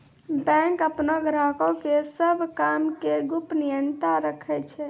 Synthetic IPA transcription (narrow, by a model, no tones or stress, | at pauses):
bɛ̃ŋkəpnəɡɾãkõkesəbʱkamkeɡupnijənt̪aɾəkʰɛt͡ʃʰɛ